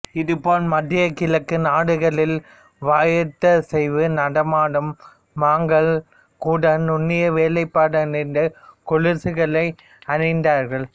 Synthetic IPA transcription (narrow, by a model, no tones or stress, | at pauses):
ɪðɯpoːnmɐd̪ɪjɐkɪlɐkːɯnaːɽɯɣɐɭɪl | ʋaːjɐt̪ːɐsɛɪʋɯnɐɽɐmaːɽɯmː | aːŋɡɐɭ | kuːɽɐnʊnːɪjɐʋeːlɐɪpːaːɽɐnɪnd̪ɐkʊɻɯsɯɣɐɭɐɪ | ɐnɪnd̪aːɾɣɐɭ